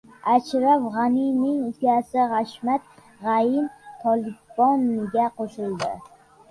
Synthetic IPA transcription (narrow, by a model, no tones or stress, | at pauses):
at͡ʃɾafʁaninɪŋʊkʲasɪʁɑʃmat̪̚ | ʁɑjɪmt̪ʰɒlɪbɒnːɪɡʲaqʰoʃɪlˠd̪ɪ